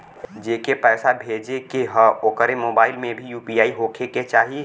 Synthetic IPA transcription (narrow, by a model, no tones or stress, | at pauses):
d͡ʒeːkepɛːsabʱeːd͡ʒekeɦəoːkəɾemoːbaːɪlmẽbʱijuːpiaːiɦoːkʰeket͡ʃaːɦie